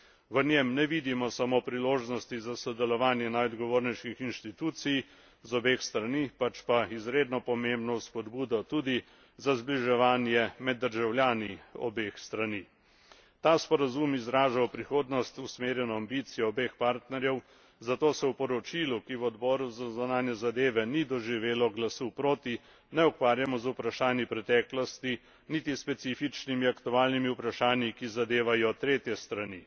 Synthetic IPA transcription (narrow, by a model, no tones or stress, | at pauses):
ʋənjemnɛʋiːd̪imɔsamopɾiloːʒnɔst̪izasɔd̪ɛlɔʋaːnjɛnajɔd̪ɡɔʋoːɾnɛʃnixinʃt̪it̪uːt̪sij | zɔbeːxst̪ɾanipat͡ʃpaizɾeːd̪nɔpɔmembnɔspɔd̪buːd̪ɔt̪uːd̪i | zazbliʒɛʋaːnjɛmɛd̪ːəɾʒawljaːniɔ̰beːxst̪ɾani | t̪aːspɔɾazumizɾaːʒawpɾixoːd̪nɔst̪usmeːɾjɛnɔambiːt̪sijɔːbexpaːɾt̪nɛɾjɛw | zat̪oːsɛwpɔɾɔt͡ʃiːlukiwɔd̪bɔːɾuzazanaːnjɛzad̪eːʋɛnid̪ɔʒiʋeːlɔɡlasupɾoːt̪i | nɛɔkʋaːɾjamɔzupɾaʃaːnipɾɛt̪ɛːklɔst̪i | nit̪ispɛt̪siːfit͡ʃnimiakt̪uaːlnimiupɾaʃaːnjikizad̪eːʋajɔt̪ɾeːt̪jɛst̪ɾani